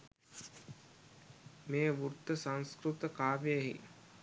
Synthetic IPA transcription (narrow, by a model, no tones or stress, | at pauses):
meːʋuɾt̪ːəsaŋskɾut̪əkaːʋejeɦḭ